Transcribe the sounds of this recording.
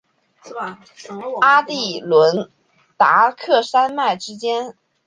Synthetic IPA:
a˥t̪i˥˩lwə˧˥n | t̪a̰˧˥kʰɤ˥˩ʂa˥nma˥˩ɪʈ͡ʂɻ̩˥t͡ɕjɛ˥n

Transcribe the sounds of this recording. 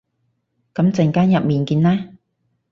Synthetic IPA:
kɐ˨˦mt͡sɪ˨ŋkaː˥njɐ˨p̚miː˨˩nkiː˧nlɛː˥

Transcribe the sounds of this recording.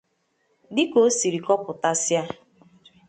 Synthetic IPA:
dɪ˦ko˨˦si˨ɾi˨kɔ˦pʊ˨ta˦sja˦

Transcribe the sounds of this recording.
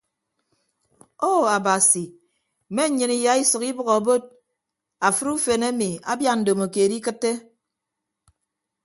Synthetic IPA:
o˦˨a˨ba˨si˨ | me˦ɲɨ˨ni˨ja˨˦i˦sɨ˨ki˦bɨ˦ɣɔ˨bo˦d̚ | a˨fɨ˦ɾu˦fe˨ne˦mi˨a̰˦bja˦n̩˨do˨mo˨ke˨di˦kɨ˦tːe˦

